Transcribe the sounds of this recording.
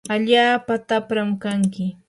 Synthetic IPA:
aʎaːpat̪apɾamkaŋkɪ

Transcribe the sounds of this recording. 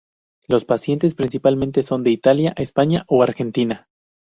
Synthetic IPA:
lo̞spasje̞nt̪e̞spɾinsipalment̪e̞so̞nd̪e̞it̪aljaʔespaɲaʔoaɾxe̞nt̪ina

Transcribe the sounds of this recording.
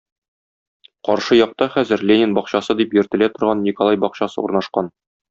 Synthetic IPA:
qɒɾʃɤjɒq̚t̪ɑχæzɘɾlʲenʲɪnbɒqɕɑsɤd̪ipjɵ̆ɾt̪ɘ̆læt̪ŏɾʁɑnːʲikolˠajbɒqɕɑsɤ̰ṵɾnɑʃqɑn

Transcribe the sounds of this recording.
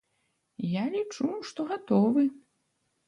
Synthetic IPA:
jalʲit͡ʂuʂt̪ɔɣat̪ɔvɨ

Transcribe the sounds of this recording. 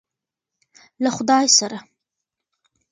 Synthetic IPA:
laχʊd̪ɑjsaɾa

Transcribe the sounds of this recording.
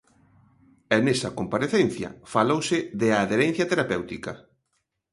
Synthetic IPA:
ɛnɛsɐkompaɾeθenθjɐ̰falowsɪðeaːðeɾɛn̟θjɐt̪eɾapewt̪ikɐ

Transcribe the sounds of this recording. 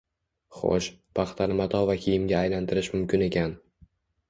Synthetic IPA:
χo̰ʃpʰaχt̪ʰaɾɪmat̪ʰɒvakʲʰijɪmɡʲaːjlant̪ʰɪɾɪʃmʊmkʲɪne̞kʲʰan

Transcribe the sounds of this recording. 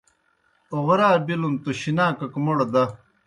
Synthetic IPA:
oʁɾaːbilunt̪oɕinaːkɐkmoɽod̪ɐ

